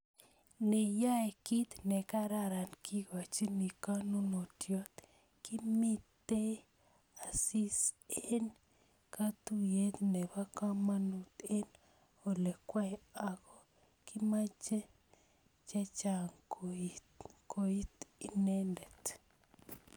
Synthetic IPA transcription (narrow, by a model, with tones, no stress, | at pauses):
ne˨ja˦e˨ki˦t̪nɛ˨ka˦ɾa˦ɾa˨nkʰi˦ɡa˨t͡ʃi˦ni˨ka˦nu˦no˨tjo˦t̪ | ki˦mi˦t̪e˦ | a˨si˦se˦n | ka˦t̪u˦je˦t̪nɛ˨ba˦ka˦ma˦nu˨t̪e˦n | o˨lɛ˨kwa˦ja˨ɣo˦ | ki˦ma˦d͡ʒe˦ | t͡ʃɛ˦t͡ʃa˨ŋko | kʰo˨i˦t̪i˨ne˦nde˨t̪